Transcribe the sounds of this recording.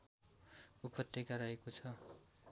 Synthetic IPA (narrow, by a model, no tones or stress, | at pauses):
upʌt̪ːekaɾaekot͡sʰʌ